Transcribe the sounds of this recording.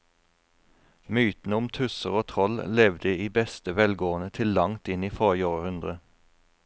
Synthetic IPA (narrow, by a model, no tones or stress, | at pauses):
myːt̪n̩əʊmt̪ʰʉsəʁoːt̪ʰʁɔllɛʋd̪əiːbɛst̪əʋɛlɡoːənət̪ʰɪlːɑŋt̪ɪniːfɔʁjoːʁəhʉnd̪ʁə